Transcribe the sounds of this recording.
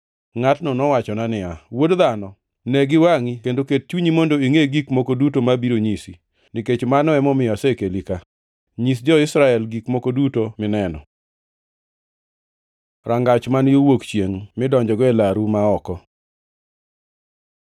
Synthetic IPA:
ŋatnɔnɔwat͡ʃɔnanɪawodðanɔ | nɛɡɪwaŋikendoket̚t͡ʃuɲimondoiŋeɡikmokodutomabiɾoɲisi | niket͡ʃmanɔɛmɔmɪjɔsɛkelika | ɲis̬d͡ʒɔɪsɾaɛlɡikmokodutomɪnɛnɔ̰ | ɾaŋɡat͡ʃmanjowokt͡ʃjeŋmɪdɔɲd͡ʒɔɡɔɛlaɾumaɔkɔ

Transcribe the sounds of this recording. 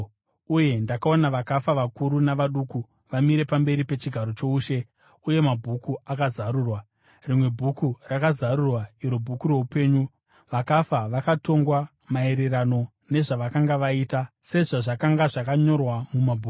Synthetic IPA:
uje̞ndakao̞naʋakafaʋakuɾunaʋaɗuːku | ʋamiɾe̞pambe̞ɾipe̞t͡ʃiɡʱaɾo̞t͡ʃo̞uːʃe̞ | uje̞mabʱukuakazaɾuːrwa | rimwe̞bʱukurakazarurwaiɾobʱukuɾo̞upe̞ːɲu | ʋakafaʋakato̞ŋɡwa | mae̞ɾe̞rano̞ | ne̞ʐaʋakaŋɡaʋaiːtase̞ʐaʐakaŋɡaʐakaɲo̞rwamumabʱuːk

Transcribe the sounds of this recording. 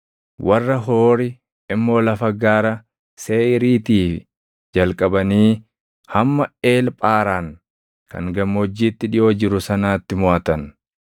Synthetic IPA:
wʔɐrːɐɦo̞ːɾɪ | ɪmːo̞ːlɐfɐɡaːɾɐ | se̞ːʔɪɾiːt̪iːfɪ | d͡ʒɐlkʼɐbɐniː | hɐmːɐe̞ːlpʼaːɾaːŋ | kɐ̰ŋɡɐmːɔd͡ʒːiːt̪ːɪᶑɪʔo̞ːd͡ʒɪɾʊsɐnaːt̪ːɪmʊaːt̪ɐn

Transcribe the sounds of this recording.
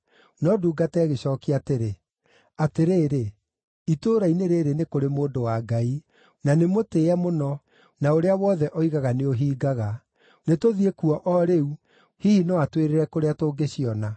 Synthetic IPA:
nɔduːɡatɛɣeɕɔkiateɾe | ateɾeːɾe | itoːɾaineɾeːɾenekoɾemoːndowaːɡai | nanemoteamonɔ | naoɾeawɔðɛʔɔiɣaɣaneoɦiːɡaɣa | netoðiekuɔʔɔɾeu | hihinɔatweɾeɾɛkoɾeatoːɡeɕiɔna

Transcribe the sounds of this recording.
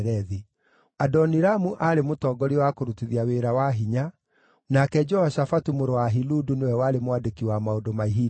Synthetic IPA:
ɾɛði | adɔniɾamuʔaɾemotɔːɡɔɾiwakoɾutiðiaweɾawaɦiɲa | nakɛd͡ʒɔhaʃafatumoɾowaɦiludunewɛwaɾemowadekiwamaodomaiɦi

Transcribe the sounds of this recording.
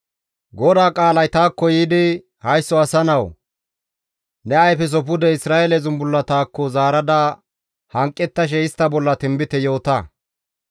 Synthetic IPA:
ɡɔd̪aːkʼaːlɐjt̪aːkːɔjiːd̪ɪ | hɐjsːɔɐsɐnɐw | nɛɐjfɛs̬ɔpʊd̪ɛɪsɾaːɛlɛzʊnbʊlːɐt̪aːkːɔzaːɾɐd̪ɐ | hɐŋkʼːɛt̪ːɐʃ̬ɛɪst̪ːɐbɔlːɐt̪ɪmbɪt̪ɛjo̞ːt̪ɐ

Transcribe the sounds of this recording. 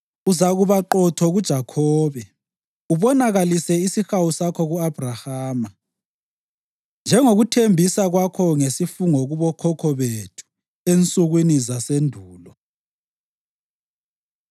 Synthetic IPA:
uzaɣuβaǃɔtʰɔɣud̥ʒ̥ʱakʰɔːβɛ | uβɔnaɣalisɛisixawusakʰɔɣuab̥ʱrahaːma | nd͡ʒʱɛŋoɣutʰembʱisaɣwakʰɔŋesifuŋɔɣuβɔkʰɔkʰɔβetʰu̥ | ent͡sʼuɣwinizasendʱuːlɔ

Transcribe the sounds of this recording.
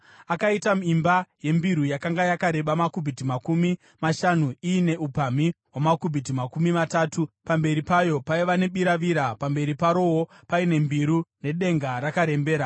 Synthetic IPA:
akaitamuimbaje̞mbiɾujakaŋɡajakaɾe̞ɓamakubʱitimakumi | maʃanuiːne̞upamiɦwamakubʱit̬imakumimataːtupambe̞ɾipajo̞paiʋane̞ɓiɾaʋiɾapambe̞ɾipaɾo̞wo | paine̞mbiɾune̞ɗe̞ŋɡaɾakaɾe̞mbe̞ːɾa

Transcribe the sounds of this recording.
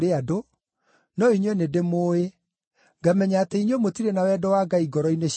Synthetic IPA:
ɾeado | nɔiɲwɛnedemoːe | ŋɡamɛɲaːteiɲwɛmotiɾenawɛdɔwaɡaiɡɔɾɔineɕ

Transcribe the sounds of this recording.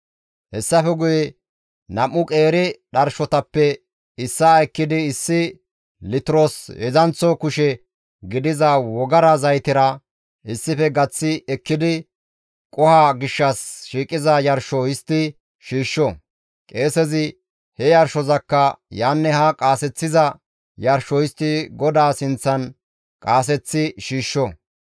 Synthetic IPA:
hɛsːɐfɛɡʊjɛ | nɐmːʊkʼeːɾɪɗɐɾʃɔt̪ɐpːɛ | ɪsːaɛkːɪd̪ɪɪsːɪ | lɪt̪ɪɾoːsjɛzɐnt͡sːɔkʊʃɛ | ɡɪd̪ɪzɐwɔɡɐɾɐzɐjt̪ɪɾɐ | ɪsːɪfɛɡɐt͡sːɪɛkːɪd̪ɪ | kʼɔhaɡɪʃːɐsʃiːkʼɪzɐjɐɾʃɔjɪst̪ːɪ | ʃiːʃːɔ | kʼe̞ːsɛzɪ | hɛjɐɾʃɔzɐkːɐjaːnːɛhɐkʼaːsɛt͡sːɪzɐ | jɐɾʃɔjɪst̪ːɪɡɔd̪aːsɪnt͡sːɐn | kʼaːs̬ɛt͡sːɪʃiːʃːɔ

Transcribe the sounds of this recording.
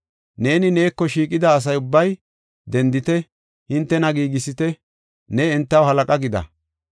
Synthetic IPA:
ne̞ːnɪne̞ːkːɔʃiːkʼɪd̪ɐːs̬ɐjʊbːɐj | d̪ɛnd̪ɪt̪ɛ | hɪnt̪ːɛnɐɡiːɡɪsɪt̪ɛ | nɛɛnt̪ːɐwhɐlɐkʼɐɡɪd̪ɐ̰

